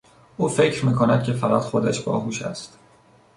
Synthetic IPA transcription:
ʔuːfe̞cʰɾmiːkʰonæd̪̥̚kcʰe̞fæɣæ̰t̪xo̞d̪æʃb̥ɒ̰ːɦuːʃæ̰st̪

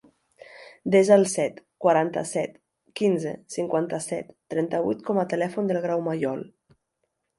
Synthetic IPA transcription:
d̪ezalˠsɛt̪ | kwaɾant̪ə̰sɛt̪ | kinzḛsiŋkwant̪əsɛ̰t̪ːɾɛnt̪əβujt̪kɔmət̪əlɛfund̪əlˠɣɾawmajɔlˠ

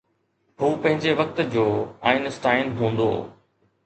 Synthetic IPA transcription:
huːpɐ̃ɦɪ̃ɲd͡ʑeʋɐk̚t̪d͡ʑoːaːɪnɪsʈaːɪnɦũːnd̪o̰ː

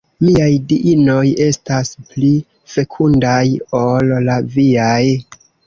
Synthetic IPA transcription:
miajdiʔino̞je̞staspli | fe̞kʰundajo̞lːaviaj

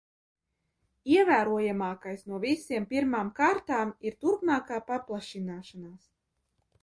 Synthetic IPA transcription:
iɛvæːɾuɔjamaːkajsnuɔvisiɛmpʲiɾmaːmkaːɾt̪aːmiɾt̪uɾpmaːkaːpaplˠaʃinaːʃanaːs

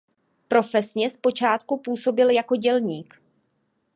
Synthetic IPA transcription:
pɾo̞fɛsɲɛspo̞t͡ʃaːt̪kupuːso̞bɪljako̞ɟɛlɲiːk

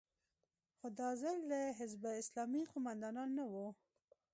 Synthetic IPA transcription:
xod̪ɑzald̪əɦɪzbaɪslɑmiqʊmand̪ɑnɑnːawu

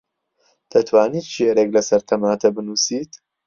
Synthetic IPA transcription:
d̪̥ɐt̪ʰwaːniːt̪t͡ʃeɾeklɐsɐɾt̪ʰɐmaːt̪ʰɐbɨnuːsiːt̪

